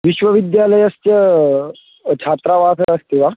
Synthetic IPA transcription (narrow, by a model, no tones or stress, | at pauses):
ʋiɕʋəʋid̪jaləjəst͡ɕə | t͡ɕʰat̪ɾaʋakəɾəst̪iʋa